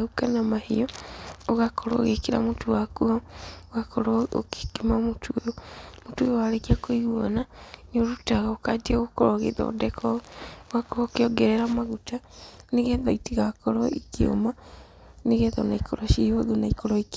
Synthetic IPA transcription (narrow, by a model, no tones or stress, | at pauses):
ukanamahḭɔoɣakɔɾo̰ɣekiɾa̰motuwakuaɣakʰoɾoo̰ki̥kimamotʰojomotwojowaɾekiakoiɣwonanoɾutaɣaokadiaɣokɔɾoɣḛðɔ̰dɛkʰɔwakuakeɔɡɛɾɛɾamaɣutaneɣɛðɔitiɣakɔɾɔikio̰ma | neɣɛðɔ̰naikʰoɾɔʃihoðonaikoɾɔik